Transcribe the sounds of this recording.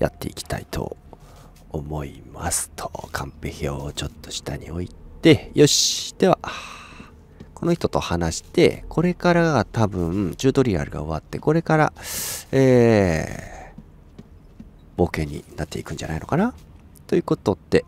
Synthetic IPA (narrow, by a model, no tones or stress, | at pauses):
ja̰t̪ːe̞̰ikʲi̥t̪a̰it̪ʰo̞̰ː | mo̞ima̰sɨ̥t̪ʰo̥kʰãmpeçʲiot͡ɕo̞t̪ːo̞̥ɕi̥t̪aɲ̟ḭo̞ittt̪e̞jo̞ɕt̪e̞βa | ko̞noçi̥t̪o̞t̪o̞hanaɕi̥t̪e̞̰kʰo̞ɾe̞kaɾaɡat̪abɯ̟̃t͡ɕɨːd̪o̞ɾʲiɾa̰ɾɯ̟ɡa̰o̞βat̪ːe̞ko̞ɾe̞kaɾa̰eː | b̥o̞ːke̞ɲ̟ːḭnat̪ːe̞ikɯ̟̃ɲd͡ʑa̰naino̞̰kana | t̪o̞jɯ̟ːko̞t̪o̞t̪ːe̞